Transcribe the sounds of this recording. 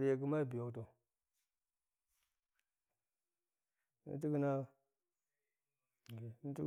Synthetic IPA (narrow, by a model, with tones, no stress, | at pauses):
di˨ja˨ki˦ma˦˨bi˨jo˨kto˨ | nḭ˦n˦t̬i˦ɡi˦na˦˨ | i˦i˦